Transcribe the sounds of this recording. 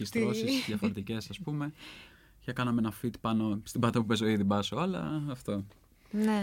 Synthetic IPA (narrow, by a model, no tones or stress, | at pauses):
ist̪osissðʝɐfo̞ɾet̪ice̞sɐspume̞ | çɐkɐnɐmeenɐfit̪i̥pɐnost̪ibɐt̪ɐpupesoiðibɐsoɐlɐ̰ːft̪o̞ | ne